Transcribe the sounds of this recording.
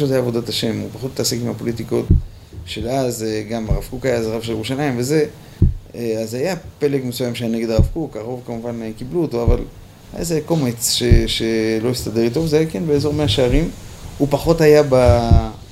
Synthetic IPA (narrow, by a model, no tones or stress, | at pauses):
ʃotajaːvo̞d̪ataʃe̞mṵpaχot̪ːasikimapo̞litiko̞t | ʃelazeɡamaʁavkukajazʁavʃelʁuʃanaimve̞ze̞ | azajape̞lekmesujamʃeajane̞ɡed̪aʁavkukaʁo̞vkamuvanekibluotoaval | ha̰ja̰zeako̞met͡sʃeʃelo̞jist̪ade̞ʁit̪ovzeajakenbeezo̞ʁmeaʃeaʁimupaχo̞tajaba